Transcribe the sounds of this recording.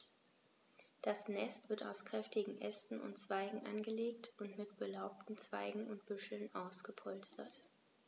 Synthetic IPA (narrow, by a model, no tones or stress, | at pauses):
d̥asnɛstv̥ɪɐta̰ʊskʁ̥ɛftɪɡŋ̩ʔɛstn̩ʊ̰ntt͡sv̥aɪɡŋ̩ʔa̰nɡəleːktʊntmɪtb̥əlaʊp̚tn̩t͡sv̥aɪɡŋ̩ʊnt̚b̥ʏʃl̩nʔaʊsɡ̥əpʰɔlstɐ̰t